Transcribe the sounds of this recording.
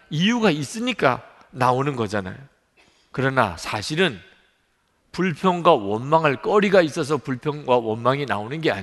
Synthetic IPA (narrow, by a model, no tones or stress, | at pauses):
ijuɡais͈ɯɲik͈a̰ | naonɯnɡʌd͡ʑana̰jo | kɯɾʌna̰sʰaɕʰiɾɯn | puɭpʰjʌŋɡwawʌnmaŋɯɭk͈ʌɾiɡais͈ʌs̬ʰʌpuɭpʰjʌŋɡwawʌnmaŋina̰onɯnɡea̰ɲ